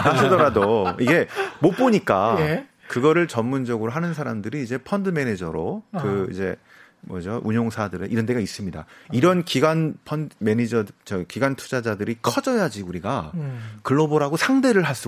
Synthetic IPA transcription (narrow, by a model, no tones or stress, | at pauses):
asɯdʌɾadoiɡe̞mop͈oɲik͈a | kɯɡʌɾɯɭt͡ɕʌmːund͡ʑʌɡɯɾoɦanɯnsʰaɾamdɯɾiːd͡ʑe̞pʰʌndɯme̞ned͡ʑʌɾokɯḭd͡ʑe̞ | mʌd͡ʑoʔuɲoŋsʰadɯɾeʔiɾʌnt̬͈e̞ɡais͈ɯmɲida̰iɾʌnkiɡwanpʰʌndme̞nid͡ʑʌt͡ɕʌkiɡwantʰu̥d͡ʑad͡ʑadɯɾikʰʌd͡ʑʌjad͡ʑiuɾiɡakɯɭːʌboɾaɡosʰaŋde̞ɾɯɭɦas͈ɯ